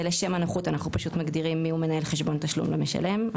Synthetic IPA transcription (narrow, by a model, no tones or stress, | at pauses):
leʃe̞manaχutanaχnupaʃut̪maɡd̪iʁimːiume̞nae̞lχeʃbo̞nt̪aʃlṵmleme̞ʃa̰le̞m